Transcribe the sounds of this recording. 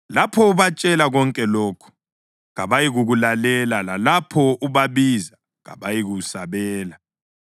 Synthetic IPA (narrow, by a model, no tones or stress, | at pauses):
lapʰɔuβat͡ʃʼɛlaɣɔŋkʼɛlɔːkʰu̥ | ɣaβajiɣuɣulalɛlalalapʰɔuβaβiza | ɣa̰βajiɣusaβɛːla